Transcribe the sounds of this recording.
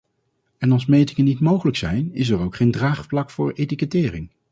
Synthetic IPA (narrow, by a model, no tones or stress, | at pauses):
ɛnɑlˠsmejtɪŋənitmowχələksɛjnɪs̬ɛɹowkχejndraːχplɑkfʊːɹejtikətɪːrɪŋ